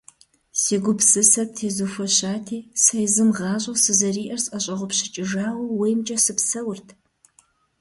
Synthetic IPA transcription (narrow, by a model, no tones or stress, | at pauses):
seːɡʷʊpsɨsɐp̚tʰeːzufɔɕaːtʰiːsɐjzɨmʁɑːɕʼɐsɨzɐriːʔɐrsʼɐɕʼɐʁʷʊpɕɪt͡ʃʼɪʒaːwɐweːjmt͡ʃʼɐsɨpsɐwʊrtʰ